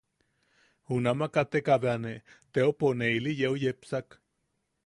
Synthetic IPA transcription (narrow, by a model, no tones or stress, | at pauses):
hunamakat̪ekaβeanet̪eoponeilijeujepsak